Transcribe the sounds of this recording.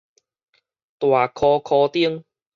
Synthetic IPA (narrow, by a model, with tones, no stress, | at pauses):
t̪waː˨˩kʰɔː˧kʰɔː˧t̪i˥əŋ